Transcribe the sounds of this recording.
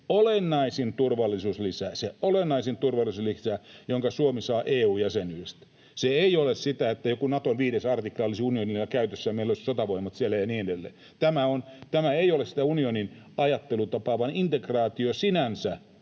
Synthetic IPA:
olenːɑisint̪urʋɑlːˑisuːslisæseʔolenːɑisint̪urʋɑlːˑisuslisæjoŋkɑsuomisɑːʔeːuːjæsenyest̪ | seeiolessit̪æet̪ːæjokunɑt̪onʋiːɾesɑrt̪iklɑlisiunionilːɑkæyt̪øsːæjɑmeilːˑolisi̥sot̪ɑʋoimːˑɑt̪siælːæjɑniːedelːḛː | t̪æmæont̪æmæeiolessit̪æunionin | ɑjɑt̪ːelut̪ɑpɑːʋɑnint̪ekrɑːt̪iosinænsæ

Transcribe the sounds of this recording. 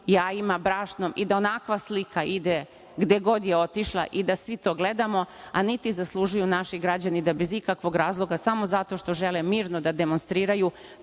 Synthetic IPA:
jaːimabɾaːʃnomid̪ao̞nakʋaslikaʔid̪e | ɡd̪e̞ɡo̞d̪jeo̞t̪iʃlˠa̰ʔid̪asʋit̪o̞ːɡle̞d̪amo̞anit̪izaslˠuʒujunaʃiɡɾad͡ʑanid̪abe̞zikakʋo̞ɡɾaːzlˠo̞ɡasamo̞zat̪o̞ʃt̪o̞ʒe̞lemiːɾnod̪ad̪e̞monst̪ɾiːɾaju

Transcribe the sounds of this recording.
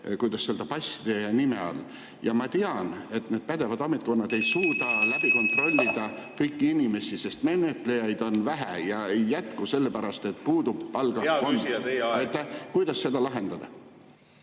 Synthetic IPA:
kujd̪ɑsːeld̪̥ɑpɑjsid̪̥enimeɑ̰lː | jɑmɑt̪eɑne̞t̪ne̞ːd̪̥̚pæd̪e̞vɑd̪ɑmet̪̚ˑko̞nːɑd̪̥e̞jsuːd̪ɑlæb̥iko̞nt̪ˑro̞lʲːid̪̥ɑkɤjkːiinime̞sise̞st̪me̞ːnet̪ːˑle̞jɑjd̪o̞nvæɦæ̰jɑejːæt̪kuse̞lːepæɾɑst̪e̞t̪̚ːpuːd̪ub̥ːɑlɡ̥ɑoɑjt̪ːækujd̪̥ɑsːe̞d̪̥ɑlɑɦe̞nd̪̥ɑd̪̥ɑ

